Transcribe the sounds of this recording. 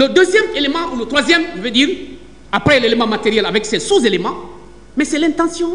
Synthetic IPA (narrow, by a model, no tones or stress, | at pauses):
ləd̪øzjɛmelemɑ̃ulət̪χwazjɛmʒəvød̪iːʁ | apχɛlelemɑ̃mat̪eʁjɛlavɛksɛsuzelemã | mɛsɛlɛ̃t̪ɑ̃sjɔ̃